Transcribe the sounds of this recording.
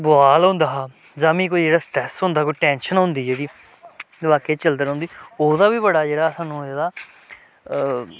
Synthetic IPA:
bʊaːlɦõnd̪aː | d͡ʒãːmĩːk̬oːiːd͡ʒeːɽaːsʈɾɛːsɦʊ̃nd̪aːkoiːʈɛ̃ːnʃənɦõnd̪iːd͡ʒeːɽiː | ʋaːkeːt͡ʃəld̪əɾɦõnd̪iːoːd̪aːbiːbəɽaːd͡ʒeːɽaːsaːnũːd͡ʒeːd̪aː

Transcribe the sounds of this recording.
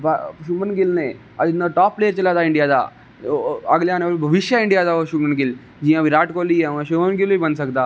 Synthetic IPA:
baʃumənɡilnẽ | ɐd̪inəʈaːpːlejəɾt͡ʃɐlaːt̪aɪ̃ɳɖijaːd̪a̰ | əɡljaneʋlbʱɐʋiʃjaɪɳɖijaːd̪aoʃumənɡil | d͡ʒijãʋiɾaːʈkolieʋãʃumənɡilobibɐnsɐkt̪aː

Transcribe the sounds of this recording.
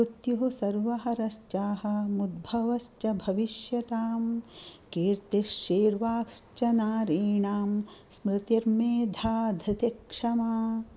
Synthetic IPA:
ut̪juɦusɐɾʋɐɦɐɾɐst͡ʃaːɦɐ̆mud̪̚bʱɐʋɐst͡ʃɐbʱɐʋiʃjɐt̪aːmkeːɾt̪eʃeːɾʋaːkst͡ʃɐnaːɾiːɳaːmsmɾɪt̪iɾmeːd̪ʱaːd̪ʱɐt̪ekʂɐmaː

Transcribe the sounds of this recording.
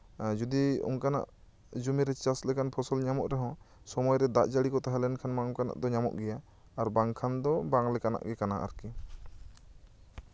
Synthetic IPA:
d͡ʒud̪iṵŋkana̰ʔ | d͡ʒumiɾɛt͡ʃaslɛkanpʰɔsɔlɲamɔʔɾɛɦɔ̃ | sɔmɔjɾɛd̪aʔd͡ʒaɽikɔt̪aɦalɛnkʰanmaɔŋkana̰ʔd̪ɔɲamɔ̰ʔɡɛjaː | ɾbaŋkʰand̪ɔbaŋlɛkana̰ʔɡɛkanaʔa̰ɾki

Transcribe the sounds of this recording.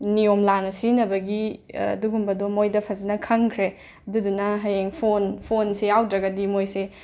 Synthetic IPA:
niomlanɐsinɐbɐɡiɐ̰duɡumbɐdomojdɐpʰɐzinɐkʰɐŋkʰɾe | ɐdudunɐɦɐjeŋpʰonpʰonseawdɾɐɡɐdimojse

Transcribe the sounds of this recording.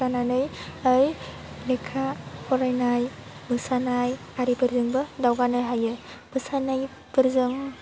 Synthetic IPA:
ananɯjɯj | lekʰahɔɾajnajbɯsanaj | aɾipɯɾzɯŋbɯdawɡanɯjɦajɯ | b̥ɯsanɯj | pɯɾzɯŋ

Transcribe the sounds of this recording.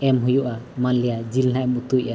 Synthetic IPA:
ɛmɦujuʔamanlɛjad͡ʒilnaʔɛmut̪uca

